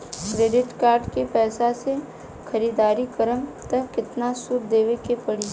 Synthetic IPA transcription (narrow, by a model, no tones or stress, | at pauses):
kɾeːɖɪʈkaːɾɖkepɛːsase | xʰɐɾiːd̪aːɾikɐɾəmt̪ɐɦkɪt̪nasʊɾd̪eːʋekepɐɽiː